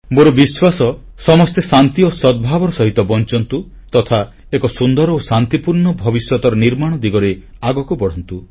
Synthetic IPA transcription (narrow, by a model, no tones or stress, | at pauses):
moɾubiswasɔ | sɔmɔst̪esant̪iosɔd̪̚bʱabɔɾɔsɔɦit̪ɔbɔnt͡ʃɔnt̪u | t̪ɔt̪ʰa | ekɔsund̪ɔɾosant̪ipuɾɳɔbʱɔbisjɔt̪ɔɾɔniɾmaɽ̃ɔd̪iɡɔɾeaɡɔkubɔɽ̤ɔnt̪u